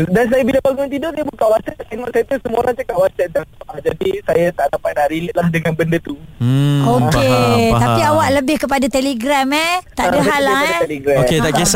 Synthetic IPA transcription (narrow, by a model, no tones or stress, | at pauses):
dans̬ajabilabaɡʊnt̪̬idɔʔsijabukaʔwasɛt̪̚ːinɔʔsajat̪usəmoɾaŋt͡ʃəkaʔwasɛt̪̚d̪aad͡ʒadisajat̪aʔdapat̪̚naʔɾiləʔ̪̚lahdəŋanbəndat̪u | oket̪apiawaʔləbɪhkəp̬adat̪eleɡɾamɛt̪aʔdaɦalaat̪eleɡɾaoket̪aʔkis